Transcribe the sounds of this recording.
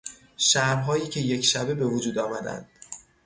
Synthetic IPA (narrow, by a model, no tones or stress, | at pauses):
ʃæɾmɦɒːjiːcʰe̞je̞cʰʃæbe̞be̞vod͡ʒuːd̪ɒːmæd̪æ̰nd̪̥